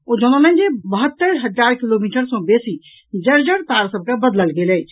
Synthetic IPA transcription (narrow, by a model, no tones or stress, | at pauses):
od͡ʒonələ̃nd͡ʒebəɦət̪ːəɾɦəaɾkilomiʈəɾsə̃besi | d͡ʒəɾd͡ʒəɽt̪aɾsəb̚kabəd̪ləlɡeləjt͡ʃʰ